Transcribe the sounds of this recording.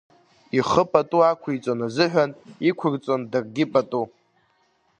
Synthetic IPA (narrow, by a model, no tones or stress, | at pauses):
iχəpʼatʼuakʷʰijt͡sʷʼonazɨħʷᶣanikʷʰʊrt͡sʼondɨrɡʲɪpʼatʼu